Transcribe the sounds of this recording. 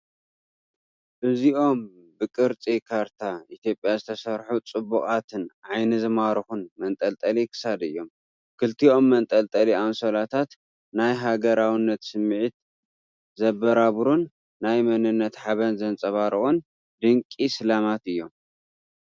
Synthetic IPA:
ʔɨziʔo̞m | bɨkʼɨɾt͡sʼikʰaɾt̪ʰaʔit̪ʰjo̞pʼjazɨt̪ʰɐsɐɾħut͡sʼɨbukʼat̪ʰɨnʕajnɨzɨmaɾɨxunmɐnt̪ʼɐlt̪ʼɐlikʰɨ̥sad̪ɨ̰jːo̞m | kʰɨlt̪io̞mːɐnt̪ʼɐlt̪ʼɐliamsolat̪ʰat̪ | najɦaɡɐɾawinːɐt̪sɨmːʕit̪ | zɐbːɐɾaβɾunː | ajmɐnɨnːɐt̪ħaβɐnzɐnt͡sʼɐβaɾɨʔʼun | d̪ɨŋkʼisɨlamat̪ɨjːo̞m

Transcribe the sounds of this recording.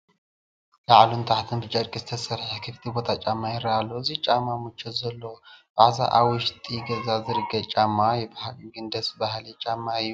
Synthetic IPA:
laʕalunt̪ʰaħt̪ʰɨnbɨt͡ʃʼaɾkʼɨzɨt̪ʰəsɐɾħəkʰɨfi̥t̪ʰibo̞t̪ʰat͡ʃʼamːajɛɾalːowɨziht͡ʃʼamːamɨt͡ʃːɛzɐlːowbaʕza̰ʔawɨʃt̪ʼiɡəzazɨɾɨɡət͡ʃʼamːajɛbahlɡɨnd̪əsbahlɛt͡ʃʼamːajːu

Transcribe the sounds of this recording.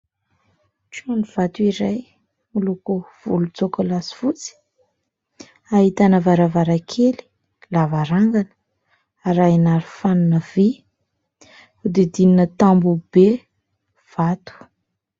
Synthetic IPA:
t͡soniv̥at̪uiɾaj | mulukuv̥ulut͡sokulasi̥fut͡si̥ | aɦit̪anəvaɾavaɾakʰeli̥ | lavaɾaŋɡanə̥ | aɾajnaɾifanunəvi | ud̪ed̪ininət̪ambub̥e | v̥at̪u̥

